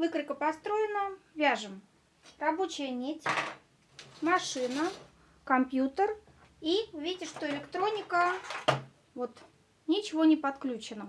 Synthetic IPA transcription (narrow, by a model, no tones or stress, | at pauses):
vɨkɾəkəpɐst̪ɾo̞ɪnəvʲaʐɨm | rɐbo̞t͡ɕɪjənʲetʲ | mɐʂɨnə | kɐmpʲjut̪ər | iʊvʲidʲɪʂt̪oɪlʲɪkt̪ɾo̞nʲɪkə | vo̞t̪ | nʲɪt͡ɕɪvonʲɪpɐt̪klʲut͡ɕɪnə